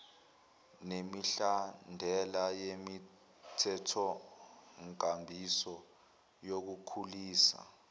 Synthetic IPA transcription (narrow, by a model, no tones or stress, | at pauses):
nemiɬandʱɛlajemi | tʰɛtʰɔ | ŋkambʱisɔ | jok̬ukʰuliːsa̰